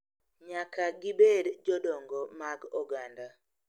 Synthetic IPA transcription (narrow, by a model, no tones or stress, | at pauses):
ɲakaɡɪbedd͡ʒɔdɔŋɡɔmaɡɔɡanda